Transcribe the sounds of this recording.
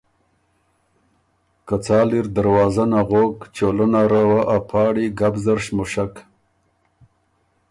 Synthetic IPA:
kat͡sɑːliɾd̪aɾwɑːzanaɣokt͡ʃolənaɾawaʔapʰɑːɽiɡabzaɾʃmʊʂak

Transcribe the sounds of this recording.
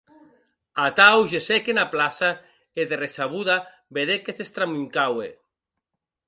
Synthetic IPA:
at̪awʒesekenaplasa | eðeresaβuða | beðekesest̪ɾamuŋkawḛ

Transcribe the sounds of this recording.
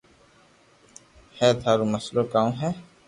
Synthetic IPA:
hɛːt̪ʰaːɾuməsloːkaːũɦɛː

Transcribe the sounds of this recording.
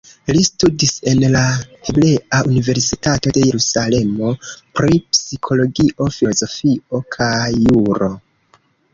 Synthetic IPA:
listudise̞nlaheble̞ʔaunive̞ɾsitato̞de̞je̞ɾusale̞mo̞pɾipsikʰo̞lo̞ɡiʔo̞filozo̞fio̞kʰajːuɾo̞

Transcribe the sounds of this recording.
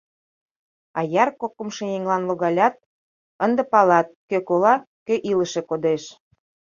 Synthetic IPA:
ɑjɑrkokːə̆mʃĕjeŋlɑnloɣɑlʲɑt̪̚ | ənd̪ə̆pɑlɑt̪̚køkolɑ | køʔilə̆ʃĕkod̪eʃ

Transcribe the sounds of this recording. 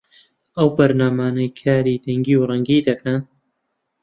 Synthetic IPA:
ɐwbɐɾnaːmaːnɐjkʰaːɾiːd̪ɐŋɡiwrˤɐŋɡiːd̪ɐkʰɐn

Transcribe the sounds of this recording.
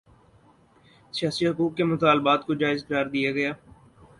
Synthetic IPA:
sɪjaːsiɦʊkuːkːemʊt̪aːlbaːt̪kod͡ʒaːɪzqəɾaːɾd̪ijaɡɐjaː

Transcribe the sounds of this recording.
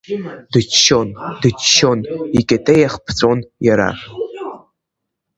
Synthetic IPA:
dɨt͡ʃʰːondɨt͡ʃʰːo̞nikʲʼetʼejaχpʰt͡sʼonjaɾa̰

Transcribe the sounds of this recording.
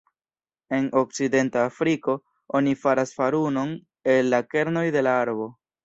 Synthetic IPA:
e̞no̞k̚t͡side̞ntaːfɾiko̞ | o̞nifaɾasfaɾuno̞n | e̞lːake̞ɾno̞jde̞laaɾbo̞

